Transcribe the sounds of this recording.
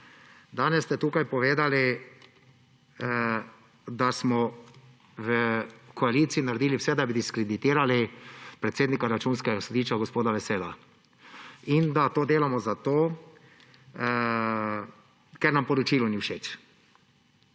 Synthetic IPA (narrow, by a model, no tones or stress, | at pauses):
d̪aːnɛsːt̪ɛt̪uːkajpɔʋeːd̪ali | d̪asmɔ | ʋəkɔaliːt̪siːnaɾed̪iːliwsɛd̪abid̪iskɾɛd̪it̪iːɾalipɾɛt̪seːd̪nikaɾat͡ʃuːnskɛɡasɔd̪iʃt͡ʃaɡɔspoːd̪aʋɛseːd̪a | ind̪at̪oːd̪eːlamɔzat̪oː | kɛɾnampɔɾɔt͡ʃiːlɔniwʃeːt͡ʃ